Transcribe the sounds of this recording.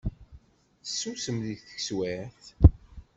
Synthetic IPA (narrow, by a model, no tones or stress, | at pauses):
sːusəmðiθə̥çswæθ